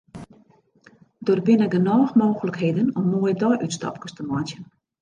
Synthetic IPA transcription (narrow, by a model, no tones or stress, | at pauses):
dorbɪnəɡənɔːxmoːɣələkheːdənɔmːojədɔjʔytstɑ̰p̚kəstəmatjən